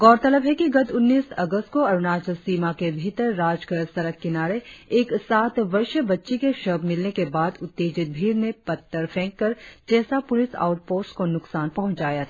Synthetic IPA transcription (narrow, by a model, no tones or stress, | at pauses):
ɡɔːɾt̪ɐləbɦɛkiɡɐt̪ʊnːiːsɐ̰ɡəst̪̚koɐɾnaːt͡ʃəlsiːmakebʱit̪əɾːaːd͡ʒkəɾsɐɾəkːɪnaːɾeeːksaːt̪ʋɐɾʃəbɐtːʃikeʃəbmɪlnekebaːd̪ʊt̪ːeːd͡ʒɪt̪̚bʱiːɾnepɐt̪ːəɾpʰɛ̃ːkːɐɾd͡ʒɛːsapʊlɪsa̰ːʊʈ̚poːskonʊksaːnpɐɦʊ̃ɲt͡ʃaːjat̪ʰː